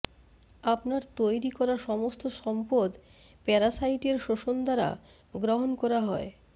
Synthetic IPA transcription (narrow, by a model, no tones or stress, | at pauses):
apnaɾt̪ojɾikɔɾaʃɔmost̪ʰoʃɔmpod̪ | pɛɾasajʈeɾʃoʃond̪aɾa̰ | ɡɾoɦonkɔɾaɦɔe